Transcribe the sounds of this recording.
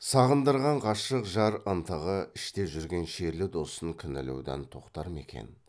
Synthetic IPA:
sɑʁənd̪əɾʁɑɴqʰɑʃəqʒɑɾənt̪ʰəʁəɪʃt̪e̞ʒʏɾɡʲe̞nʃeɾlɪd̪o̞səŋkʲʰʏnɪlḛwd̪æ̰nt̪ʰo̞qt̪ɑɾəme̞̰kʲḛn

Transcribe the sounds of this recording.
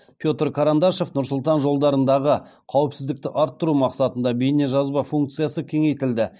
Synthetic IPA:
pʲjo̞t̪ɾkʰaɾand̪ɑʃo̞fnʊɾsʊlˠt̪ɑnʒo̞lˠd̪ɑɾənd̪ɑʁəqʰɑwəpsɪzd̪ɪk̚t̪ɪʔɑɾt̪ːʊɾumɑqsɑt̪ənd̪ɑbejneʒɑzbɑfuŋk̚t̪sɨjasəkʲʰe̞ŋe̞jt̪ɪld̪ɪ

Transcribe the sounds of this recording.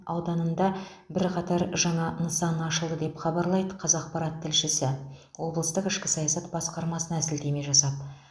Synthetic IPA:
ɑwd̪ɑnənd̪ɑ | bɪɾqʰɑt̪ɑɾʒɑɴɑnəsɑnɑʃəlˠd̪əd̪e̞pχɑbɑɾlˠɑjd̪əqʰɑzɑq̚pɑɾɑt̪ʰːɪlʃɪsɪwo̞bəlˠəst̪əqɪʃkʲɪ̥sɑjɑsɑt̪bɑsqɑɾmɑsənɑæsɪld̪e̞me̞ʒɑsɑp̪̚

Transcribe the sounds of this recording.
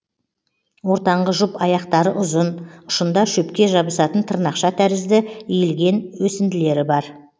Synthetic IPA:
wo̞ɾt̪ɑɴʁəʒʊpɑjɑqt̪ɑɾəʔʊzənʊ̥ʃənd̪ɑʃɵpkʲe̞ʒɑbəsɑt̪ənt̪ʰəɾnɑqʃɑt̪ʰæɾɪzd̪ɪijɪlɡʲe̞nwɵsɪnd̪ɪle̞ɾɪbɑɾ

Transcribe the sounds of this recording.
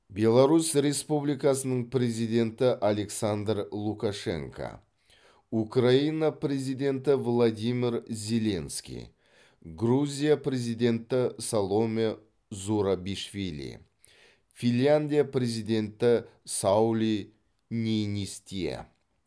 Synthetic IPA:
bʲe̞lˠaɾusɾe̞spublʲijkasənəɴpɾʲe̞zijd̪ʲe̞nt̪ɪʔale̞ksand̪rlˠukaʂe̞̰ŋkʰa̰ | ukrainaprʲe̞zijd̪ʲe̞nt̪ɪvlˠad̪imʲiɾzʲe̞lʲe̞nskʲḭj | ɡɾuzʲijaprʲe̞zijd̪ʲe̞nt̪ɪsalˠo̞me | zuɾabiʃvʲilʲḭ | finʲjʲanʲd̪ʲijapre̞zijd̪ʲe̞nt̪ɪsawlʲi | nʲenʲist̪ʲiḛ

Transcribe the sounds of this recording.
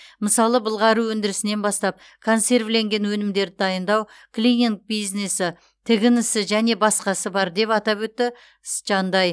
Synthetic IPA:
məsɑlˠəbəlˠʁɑɾuwɵnd̪ɪɾɪsɪne̞nbɑst̪ɑp̚ | kʰo̞nse̞rvle̞ŋɡʲe̞nwɵnɪmd̪e̞ɾɪd̪ɑjənd̪ɑw | kʰlʲiniŋk̚bijzne̞sɪ | t̪ʰɪɡʲɪnɪsɪʒæne̞bɑsqɑsəbɑɾd̪e̞pɑt̪ɑpwɵt̪ːɪ | sʒ̥ɑnd̪ɑj

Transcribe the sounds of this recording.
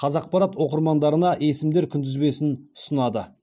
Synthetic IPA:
qʰɑzɑq̚pɑɾɑt̪wo̞qəɾmɑnd̪ɑɾənɑʔe̞sɪmd̪e̞ɾkʲʰʏnd̪ɪzbe̞sɪnʊ̥sənɑd̪ə

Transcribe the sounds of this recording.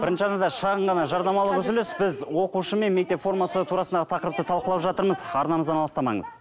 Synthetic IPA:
b̥ɪɾɪnʃəɑd̪ɑd̪ɑʃɑʁəɴʁɑnɑʒɑɾnɑmɑlˠəqʏzʏlɪsbɪzwo̞quʃəme̞nme̞k̚t̪e̞pfo̞rmɑsət̪ʰuɾɑsənd̪ɑʁət̪ʰɑqəɾəpt̪ət̪ʰɑlˠqəlˠɑwʒɑt̪əɾməzɑɾnɑməzd̪ɑnɑlˠəst̪ɑmɑ̰ɴə̰z̥

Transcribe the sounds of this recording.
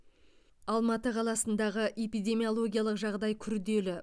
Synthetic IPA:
ɑlˠmɑt̪əqʰɑlˠɑsənd̪ɑʁəʔe̞pijd̪ʲe̞mijolˠo̞ɡʲijalˠəqʒɑʁd̪ɑjkʲʰʏɾd̪e̞lɪ

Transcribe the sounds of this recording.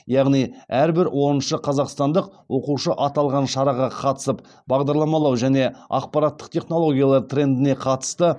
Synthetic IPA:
jɑʁnijæɾbɪɾwʔo̞ɾənʃəqʰɑzɑqst̪ɑnd̪əq̚wʔo̞quʃəʔɑt̪ɑlˠʁɑnʃɑɾɑʁɑqʰɑt̪ə̥səp | bɑʁd̪ɑɾlˠɑmɑlˠɑwʒæne̞ɑ̰q̚pɑɾɑt̪ːə̥qt̪ʰʲe̞χno̞lˠo̞ɡʲijalˠɑɾt̪rʲe̞nd̪ɪne̞qʰɑt̪ə̥st̪ə

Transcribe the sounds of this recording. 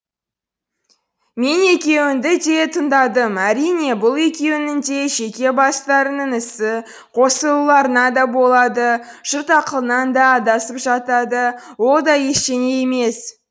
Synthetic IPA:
me̞ne̞kʲe̞wɪnd̪ɪd̪e̞t̪ʰənd̪ɑd̪əmæɾijne̞bʊlˠe̞kʲe̞wɪnɪŋd̪e̞ʒe̞kʲe̞bɑst̪ɑɾənəɴɪsɪ | qʰo̞səlˠəlˠɑɾənɑd̪ɑbo̞lˠɑd̪ə | ʒ̥ʊɾt̪ɑqəlˠənɑnd̪ɑd̪ɑsəpʒɑt̪ɑd̪əwo̞lˠd̪ɑje̞ʃt̪e̞ne̞jeme̞s

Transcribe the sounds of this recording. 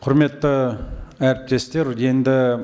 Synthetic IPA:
qʰʊɾmet̪ːəæɾp̚t̪est̪eɾjend̪ɪ

